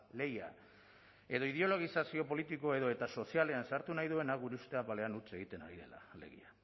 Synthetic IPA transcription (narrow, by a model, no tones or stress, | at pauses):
le̞ja̰ | e̞ðo̞ið̞eo̞lo̞ɣ̞isasio̞po̞lit̪iko̞e̞ðo̞e̞t̪aso̞siale̞ansaɾt̪unajðue̞naɡuɾeust̪e̞apale̞anut͡seɣ̞it̪e̞naɾiðe̞̰la̰le̞̰ɣḭa